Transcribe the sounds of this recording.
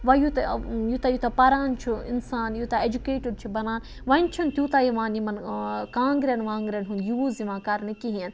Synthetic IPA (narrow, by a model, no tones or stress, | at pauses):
ʋɐjut̪ɐjut̪ajut̪ɐpɐɾaːnt͡ʃʰuḭnsaːnjuːt̪aed͡ʒukeːʈɐɾt͡ʃʰubɐnaːn | ʋɐnt͡ʃʰunt̪ʲjuːt̪ajiʋãːnimɐnkãːŋɡɾʲɐnʋãːŋɡɾʲɐnɦund̪juziʋãːkaːɾnɨkiɦiɐn